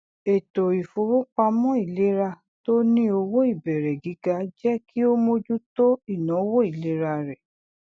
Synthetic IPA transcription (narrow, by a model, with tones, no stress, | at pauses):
e˨to˨i˨fo˨˧wo˦k͡pa˧mɔ̃˦i˦˨le˦ɾa˧ | to˦nĩ˦o˧wo˦i˦˨bɛ˨ɾɛ˨ɡi˨˦ɡa˧d͡ʒɛ˦ki˦o˦mo˧d͡ʒu˦to˦i˦˨nã˨˦wo˦i˦˨le˦ɾa˧ɾɛ˨